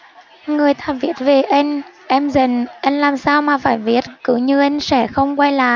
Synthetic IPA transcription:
ŋɨ˨˩əjt̪ʰaː˨˧˩vi˨˦˥ət̚ve˨˩ʔə˧jŋ̟ʔɛ˧mzə˨˩nʔə˧jŋ̟laː˨˩msaː˧wmaː˨˩faː˧˩jvi˨˦˥ət̚kɨ˨˦ɲɨ˧ʔə˧jŋ̟sɛ˧˥xə˧wŋ͡mkwa˧jla̰ː˧˨j

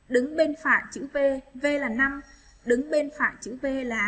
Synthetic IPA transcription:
ɗɨ˨˦ŋɓe˧nfa̰ː˧˨jt͡ɕɨ̰˧˥ve˧ve˧laː˨˩na˧m | ɗɨ˨˦ŋɓe˧nfa̰ː˧˨jt͡ɕɨ̰˧˥ve˧laː˨˩

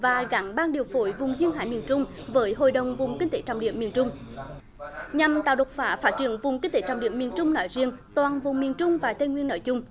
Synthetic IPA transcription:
vaː˨˩ɣa˨˦ŋɓaː˧nɗi˨˩əwfo˧˦jvʊ˨˩ŋ͡mzi˧ənɦa̰ː˧˥jmi˨˩ənt͡ɕʊ˧ŋ͡m | vəː˨˦jɦo̰˧˨jɗə˨˩wŋ͡mvʊ˨˩ŋ͡mkï˧˥ŋ̟t̪e˧˨˦t͡ɕa˧˩wŋ͡mɗḭ˧˩˨əmːi˨˩ənt͡ɕʊ˧ŋ͡m | ɲa˨˩mt̪a̰ː˧˨wɗə˨˩wk͡p̚faː˨˩˥faː˦˥t̚t͡ɕi˧˦ənvʊ˨˩ŋ͡mki˧˥ŋ̟t̪e˧˦t͡ɕa˧˩wŋ͡mɗḭ˧˩əmi˨˩ənt͡ɕʊ˧ŋ͡mnɔ̰˧˦jzi˧ənt̪waː˨˩nvʊ˨˩ŋ͡mmi˨˩ənt͡ɕʊ˧ŋ͡mvaː˨˩t̪ʰe˧ŋwi˧əno̰˧˦jt͡ɕʊ˧ŋ͡m

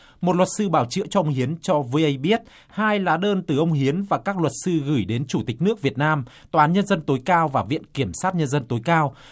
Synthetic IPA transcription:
mo˨˩t̚lwə˨˩t̚sɨ˧ɓaː˧˩wt͡ɕɨ̰˧˥ət͡ɕɔ˧ʔə˧ŋ͡mɦi˨˦ənt͡ɕɔ˧vʔə˧jɓi˦˥ət̚ | haː˧jlaː˨˩˦ɗəː˧nt̪ɨ˨˩ʔə˧wŋ͡mɦi˨˦ənvaː˨˩kaː˦˥k̚lwə˨˩t̚sɨ˧ɣɨ˧˩jɗe˨˦nt͡ɕu˧˩t̪ï˨˩k̟̚nɨ˦˥ək̚vi˨˩ət̚naː˧mt̪waː˨˦ɲə˧nzə˧nt̪o˨˦jkaː˧wvaː˨˩vḭ˧˨ənki˧˩əmsaː˦˥t̚ɲə˧nzə˧nt̪o˨˦jkaː˧w

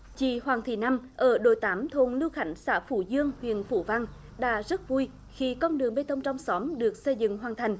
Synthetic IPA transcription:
t͡ɕḭ˧˩hwaː˨˩ŋt̪ʰi˨˩na˧mʔəː˧˩ɗo̰˧˩˦jt̪aː˨˦mt̪ʰo˨˩nlɨ˧wxa˧˩jŋ̟saː˧˥fu˧˩zɨ˧əŋhwḭ˧˨ənfṵ˧˩va˧ŋ | ɗa̰ː˧˥zə˦˥t̚vu˧j | xi˧kɔ˧nɗɨ˨˩əŋɓe˧t̪ʰə˧wŋ͡mt͡ɕɔ˧wŋ͡msɔ˨˦mɗɨ˨˩ək̚sə˧jzɨ̰˧˨ŋɦwaː˨˩nt̪ʰa˨˩jŋ̟

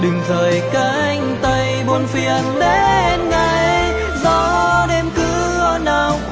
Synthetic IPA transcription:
ɗɨ˨˩ŋzəː˨˩jka˨˦˧jŋ̟t̪ə˧jɓo˧nfi˨ənɗe˧˦˧nŋa˨˩j | zɔ˧˦ɗe˧mkɨ˨˧˦ | ənaː˨˩w

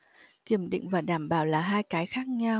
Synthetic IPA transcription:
ki˧˩əmɗḭ˧˨ŋ̟vaː˨˩ɗaː˧˩mɓaː˧˩wlaː˨˩ɦaː˧jkaː˨˦jxaː˦˥k̚ɲa˧w

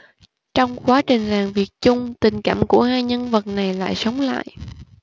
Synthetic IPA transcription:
t͡ɕɔ˧wŋ͡mkwaː˨˦t͡ɕï˨˩ŋ̟laː˨˩mvi˨˩ət̚t͡ɕʊ˧ŋ͡mt̪ï˨˩ŋ̟kaː˧˩˨mku˧˩əhaː˧jɲə˧nvə˨˩t̚na˨˩jla̰ː˧˨jsə˨˦wŋ͡mla̰ː˧˨jʔ

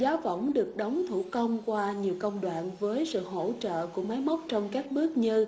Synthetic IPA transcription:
zaː˨˦wvə˧˩wŋ͡mɗɨ˨˩ək̚ɗə˨˦wŋ͡mt̪ʰu˧˩kə˧wŋ͡mkwaː˧ɲi˨˩əwkə˧wŋ͡mɗwa̰ː˧˨nvəː˨˦jsɨ̰˧˨ɦo̰˧˩˥t͡ɕə̰ː˧˨ku˧˩əma˨˦jmɔ˦˥wk͡p̚t͡ɕɔ˧wŋ͡mkaː˦˥k̚ɓɨ˦˥ək̚ɲɨ˧

